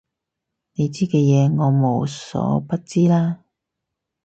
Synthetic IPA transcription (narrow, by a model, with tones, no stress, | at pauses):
ne˨˧jt͡siː˥kɛː˧jɛː˨˧ŋɔː˨˧mo˨˧wsɔ̰ː˨˥pɐ˥t̚t͡siː˥laː˥